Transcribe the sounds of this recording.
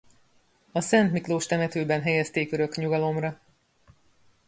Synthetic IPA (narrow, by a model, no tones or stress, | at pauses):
ɒsɛnt̪mikloːʃt̪ɛmɛt̪øːbɛnɦɛjɛst̪eːkøɾø̞kɲuɡɒlo̞mrɒ